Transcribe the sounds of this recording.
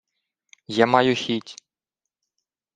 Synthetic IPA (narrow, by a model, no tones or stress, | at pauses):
jamɑjʊxʲitʲ